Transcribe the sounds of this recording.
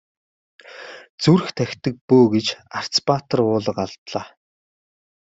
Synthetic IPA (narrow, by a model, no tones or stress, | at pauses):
t͡suɾɘ̆xt̪ʰæxʲt̪ə̆k̚pɵːɡet͡ɕar̥t͡spat̪ə̆rʊːɮə̆qaɮt̪ɮaː